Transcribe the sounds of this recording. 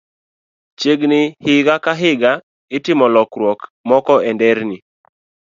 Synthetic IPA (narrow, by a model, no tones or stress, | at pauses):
t͡ʃjeɡnɪhɪɡakaɦɪɡa | ɪtɪmɔlɔkɾwɔkmɔkɔɛndɛɾni